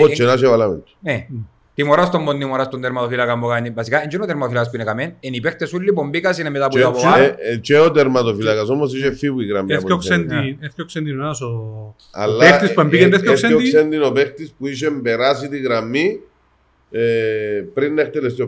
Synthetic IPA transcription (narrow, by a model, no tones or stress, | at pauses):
ot͡ʃːenaʃ̬evalamḛnt̪ne | t̪imoɾast̪ombond̪imoɾast̪ond̪eɾmat̪ofilakambokaɲivasikaend͡ʒinot̪eɾmatofilakas̬puinekamenenipext̪esulːip̬ombikasinemet̪apuapoat͡ʃeot̪eɾmat̪ofilakas̬omosiʃefːipuiɣɾamːepokssend̪ieθkoksend̪inonaso | a̰lːat̪ispuembiend̪ekokseoiksend̪inopext̪ispuiʃ̬embeɾas̬it̪iɣɾamːi | pɾinːext̪elest̪io